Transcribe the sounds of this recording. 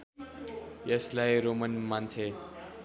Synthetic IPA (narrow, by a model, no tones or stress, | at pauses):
jʌslajɾomənmant͡sʰe